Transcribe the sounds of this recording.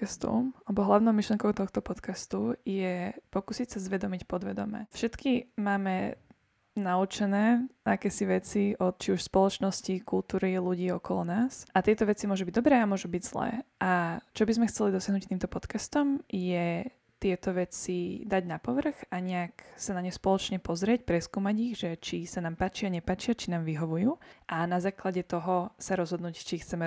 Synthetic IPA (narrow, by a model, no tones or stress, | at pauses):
ast̪ɔ̰alɛbɔɦlaʊnɔʊmiʃliɛŋkɔʊt̪ɔxt̪ɔpɔt̪kast̪ujɛpɔkuːsicsazʋɛd̪ɔmicpɔd̪ʋɛd̪ɔ̰mɛ̰ːfʃɛt̪kimaːmɛ | naut͡ʃɛnɛːakɛːsiʋɛt͡siɔt̪̚t͡ʃiuʃspɔlɔt͡ʃnɔscikulˠt̪uːɾiluɟiːɔkɔlɔ̰naːsʔat̪ɪɛt̪ɔʋɛt͡simʊɔʒubiɟd̪ɔbɾɛːamʊɔʒubiɟz̥lɛ̰ːʔat͡ʃɔbizmɛxt͡sɛlid̪ɔsɪaɦnuct̪iːmt̪ɔpɔt̪kast̪ɔmjɛ | t̪ɪɛt̪ɔʋɛt͡sid̪aɟnapɔʋr̩ɣaɲɛaksanaɲɛspɔlɔt͡ʃɲɛpɔzɾɪɛcpɾɛskuːmaɟiɣʒɛt͡ʃisanaːmpaːt͡ʃiaɲɛpaːt͡ʃiat͡ʃinaːmʋiɦɔʋujuːʔanazaːklaɟɛt̪ɔɦɔsaɾɔzɦɔd̪nuːct͡ʃixt͡sɛmɛ